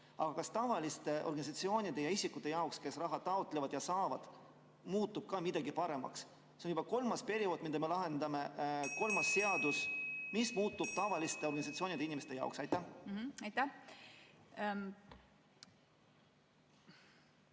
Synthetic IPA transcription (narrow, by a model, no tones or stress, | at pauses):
ɑɡ̥ɑkɑst̪ɑvɑlist̪e̞ʔo̞rɡɑnʲis̬ɑt̪sio̞ːnʲid̪̥e̞jɑisikːˑut̪ːˑe̞jɑowkske̞srɑɦɑd̥̪t̪ːɑot̪ːˑle̞vɑd̪jɑsɑːvɑd̪̥ | muːt̪ːub̥̚kɑmid̪ɑɡipɑɾe̞mɑ̰ks | seonjubɑko̞lmɑspe̞ɾio̞d̪mid̪̥ɑme̞lɑɦe̞nd̪ɑme̞ko̞lmɑsːe̞ɑd̪̥usmismuːt̪ːub̥̚t̪ɑvɑlist̪e̞o̞rɡɑnisɑt̪sio̞ːnʲid̪einime̞st̪ejɑ̰o̰ksɑjt̪ːˑæhɑjt̪æh